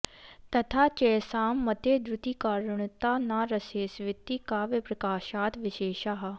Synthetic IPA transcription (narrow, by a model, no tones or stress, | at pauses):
t̪ət̪ʰaːt͡ʃɛːsaːmːət̪eːd̪ɾʊt̪iːkaːɾəɳt̪aːnaːɾəseːsʋɪt̪ːiːkaːʋɪpɾəkaːʃaːt̪ʋɪʃeːʃaːɦaː